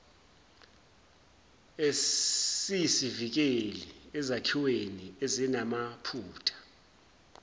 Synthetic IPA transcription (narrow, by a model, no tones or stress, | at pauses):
esisivik̬eliɛzakʰiweniezinamapʰuːtʰḁ